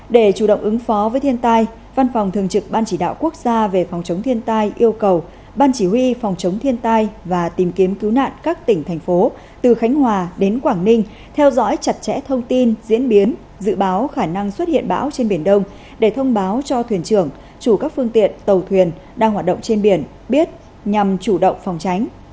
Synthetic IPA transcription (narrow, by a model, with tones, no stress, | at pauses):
ɗe˧˩t͡ɕu˧˩ɗə̰˧˨wŋ͡mʔɨ˨˦ŋfɔ˨˦vəː˨˦jt̪ʰi˧ənt̪aː˧j | va˧nfa˨˩wŋ͡mt̪ʰɨ˨˩əŋt͡ɕɨ˨˩k̚ɓaː˧nt͡ɕi˧˩ɗa̰ː˧˨wku˦˥ək̚zaː˧ve˨˩fɔ˨˩wŋ͡mt͡ɕə˨˦wŋ͡mt̪ʰi˧ənt̪aː˧jʔi˧əwkə˨˩w | ɓaː˧nt͡ɕi˧˩wi˧fɔ˨˩wŋ͡mt͡ɕə˨˦wŋ͡mt̪ʰi˧ənt̪aː˧jvaː˨˩t̪i˨˩mki˨˦əmki˨˦wna̰ː˧˨nkaː˦˥k̚t̪ï˧˩ŋ̟t̪ʰɛ˨˩jŋ̟fo˨˦ | t̪ɨ˨˩xa˨˦ŋ̟hɦwaː˨˩ɗe˨˦nkwaː˧˩ŋnï˧ŋ̟ | t̪ʰɛ˧wzɔ̰˧˥jt͡ɕa˨˩t̚t͡ɕɛ̰˧˥t̪ʰə˧wŋ͡mt̪i˧nzḭ˧˥ənɓi˨˦ən | zɨ̰˧˨ɓaː˨˦wxaː˧˩na˧ŋswə˦˥t̚hḭ˧˨ənɓa̰ː˧˥wt͡ɕe˧nɓi˧˩ənɗə˧wŋ͡m | ɗe˧˩t̪ʰə˧wŋ͡mɓaː˨˦wt͡ɕɔ˧t̪ʰwi˨˩ənt͡ɕɨ˧˩əŋ | t͡ɕu˧˩kaː˦˥k̚fɨ˧əŋt̪ḭ˧˨ənt̪ə˨˩wt̪ʰwi˨˩ən | ɗaː˧ŋhwaː˨˩t̚ɗə̰˧˨ŋ͡mt͡ɕe˧nɓi˧˩ən | ɓi˦˥ət̚ | ɲa˨˩mt͡ɕu˧˩ɗə̰˧˨wŋ͡mfa˨˩wŋ͡mt͡ɕa˨˦jŋ̟